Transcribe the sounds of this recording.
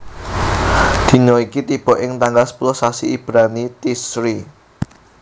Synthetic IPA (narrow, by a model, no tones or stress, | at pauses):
d̪̥i̤nɔikit̪ib̥ɔ̤ʔɪŋt̪aŋɡalspulɔsasiːb̥ɾanit̪isɾi